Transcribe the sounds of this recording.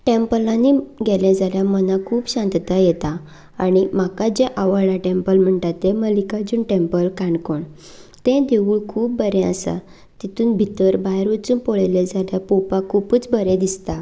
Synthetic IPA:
ʈempəlãniɡɛlɛd͡zaljamənakʰuːpɕãnd̪t̪ajɛt̪aː | ɽ̃imakad͡ʑɛʔaʋəɭaʈempəlm̤əɳt̪at̪ːeməlikad͡ʑuːnʈempəlkaɳɖkoɳ | t̪ɛ̃d̪eʋuːɭkʰuːp̚bəɾɛ̃əsa̰ | t̪it̪uːnbʱit̪əɾbajɾot͡suːnpɔɭɛlɛd͡zaljapopakʰupuːt͡sbʱəɾɛ̃d̪ist̪a

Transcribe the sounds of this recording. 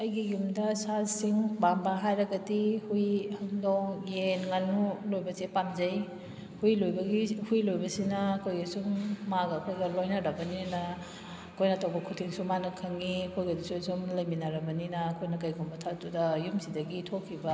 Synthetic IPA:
ɐjɡijumdɐsazsiŋbambaɦajɾɐɡɐtihujhɐŋdowjenŋanulojbɐsepamzɐj | hujlojbɐɡihujlojbɐsinɐːkʰojɡɐsumːaɡɐɐkʰojɡɐlojnɐɾɐbɐninɐ | ɐkʰojnɐtʰawbɐkʰutʰiŋsumanɐkʰɐŋiɐkʰojɡɐdisusumlɐjminɐɾɐbɐninɐːkʰojnɐkɐjɡʰumbɐtʰatudɐjumsidɐɡitʰokʰːibɐ

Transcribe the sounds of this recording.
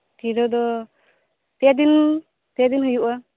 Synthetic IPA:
tiɾɔd̪ɔ | t̪ɛad̪in | t̪ɛad̪inɦujuʔa

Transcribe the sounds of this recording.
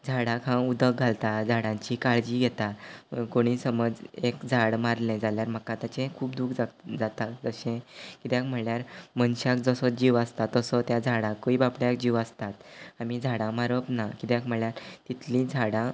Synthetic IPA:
d͡zʱaɽakãud̪ək̚ɡʱalt̪ad͡zʱaɽãɲt͡ɕikaɭd͡ʑiːɡʱɛt̪akoɽ̃iːsəməd͡zekd͡zʱaɽmaɾlẽd͡zaljaɾm̤əkat̪jat͡ɕẽkʰuːpd̪ukʰd͡zad͡zat̪akd͡zəɕẽkit̪jãkm̤əɳljaɾmənɕakd͡zəsɔd͡ʑiʋəst̪at̪ːəsɔt̪jad͡zʱaɽãkːoibapɽjak̚d͡ʑiʋəst̪at̪amid͡zʱaɽãmaɾəpnakit̪jakm̤əɭjaɾt̪it̪lĩd͡zʱaɽã

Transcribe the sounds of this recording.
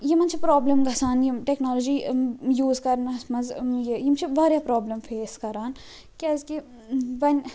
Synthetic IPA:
jemɐnt͡ʃʰipɾoːbləmɡɐsaːnjimʈeknoːlɔd͡ʒiːjuːzkɐɾnɐsmɐzjejimt͡ʃʰibaːɾjaːpɾɔːbləmfʰeːskɐɾaːn | kiɐzki | ʋɐnʲ

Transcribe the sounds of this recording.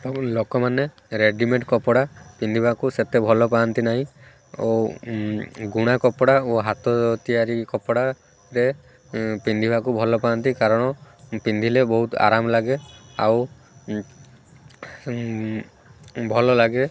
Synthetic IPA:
lokɔmane | ɾeɖimeʈkɔpɔɽapind̪ʱibakuset̪ebʱɔlɔpaːnt̪inaɦĩ | o | ɡuɽ̃akɔpɔɽaoɦat̪ɔt̪iaɾikɔpɔɽa | ɾe | pind̪ʱibʱakubʱɔlɔpaɔnt̪ikaɾɔɽ̃ɔpind̪ʱilebɔɦut̪a̰ɾamɔlaɡea̰w | bʱɔlɔlaɡe

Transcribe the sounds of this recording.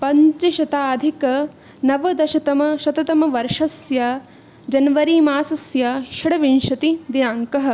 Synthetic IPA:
pɐɲt͡ʃiʃɐt̪aːd̪ʱikɐ | nɐʋɐd̪ɐʃɐt̪ɐmɐʃɐt̪ɐt̪ɐmɐʋɐɾʂɐsja | d͡ʒɐnʋɐɾiːmaːsɐsjaʃɐɽɐʋinʃɐt̪id̪inaːŋkɐɦɐ̆

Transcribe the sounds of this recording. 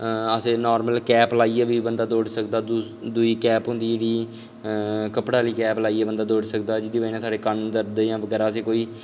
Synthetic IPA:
əsẽːnɔːɾməlkɛːplaːiːeːʋiːbənd̪aːd̪oːɽsəkd̪aːd̪ | d̪ʊiːkɛːpɦʊ̃nd̪iːd͡ʒeːɽiː | kəpɽaːliːkɛːplaːiːeːbənd̪aːd̪oːɽsək̚d̪aːd͡ʒɪd̪iːbaɪnaːsaːɖeːkənd̪əɾd̪eːjãːʋəɡɛːɾaːəsẽːkoːiː

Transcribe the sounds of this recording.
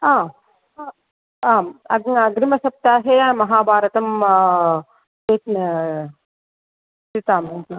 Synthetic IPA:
aː | aːɐɡɐɡɾimɐsɐp̚t̪aːɦeamɐɦaːbʱaːɾɐt̪ɐm | eːt̪ | sit̪aːme

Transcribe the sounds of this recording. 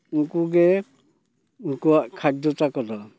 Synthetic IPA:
uŋkuɡe | uŋkuakʰak̚dɔtakɔdɔ

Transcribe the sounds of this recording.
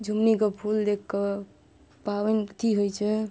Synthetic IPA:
d͡ʒʱumnikepʰuld̪ekʰːe | pawɛnt̪iɦojt͡ʃʰɛ

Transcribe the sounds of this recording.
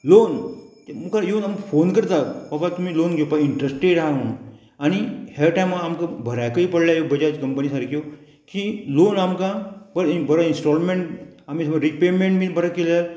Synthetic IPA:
lont̪mukʰajonamfonkəɾt̪abapat̪umiːlonɡjopaiɳʈɾesʈeɾɦao | añihaʈajmaːmkabʱəɾajkəipəɽljajobəd͡ʑat͡ɕkəmpənisaɾkjo | kilonamkãbəɾibəɾainsʈɔlmẽɳʈamisməɾipemẽɳʈmibəɾakelal

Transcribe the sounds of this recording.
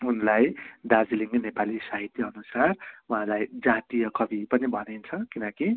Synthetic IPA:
unlajd̪ad͡ziliŋnepalisaɦit̪jʌʌnusaruɦãlajd͡zat̪ijʌkʌbʱipʌnibʱʌnint͡sʰʌkinʌki

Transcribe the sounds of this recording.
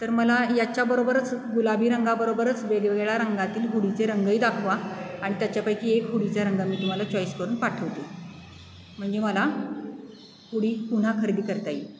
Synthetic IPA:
t̪əɾməlajat͡ɕjabəɾobəɾət͡sɡulabʱiːɾəŋɡabəɾobəɾət͡sʋeɡeʋeɭɭaɾəŋɡat̪iːlɦuɽit͡seɾəŋɡəjːd̪akʰʋaaɽ̃it̪jat͡ɕjapajkiːekɦuɽit͡saɾəŋɡamiːt̪um̤alat͡ɕɔjskəɾuːnpaʈʰəʋt̪e | m̤əɳd͡zeməla | huɽiːkun̤akʰəɾd̪iːkəɾt̪aji

